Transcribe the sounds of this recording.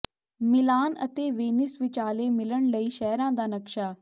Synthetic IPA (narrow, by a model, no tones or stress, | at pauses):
mɪlaːnə̰t̪eːʋeːnɪsʋɪt͡ʃaːleːmɪləɳləiːʃɛɦɾãːd̪aːnəkʃaː